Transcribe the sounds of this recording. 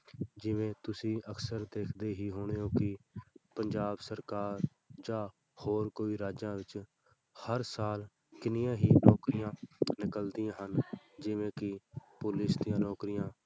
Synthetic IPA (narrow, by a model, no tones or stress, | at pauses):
d͡ʒɪʋẽːt̪ʊsĩːʔəksəɾd̪eːkʰd̪eːɦiːɦoːɳeːoːkɪpəɲd͡ʒaːbsəɾkaːɾ | d͡ʒaː | hoːɾkoːiːɾaːd͡ʒãːʋɪt͡ʃ | həɾsaːl | kɪnɪjãːɦiːnɔːkɾɪjãːnɪkəld̪ɪjãːɦən | d͡ʒɪʋẽːkɪpʊlɪsd̪ɪjãːnɔːkɾɪjãː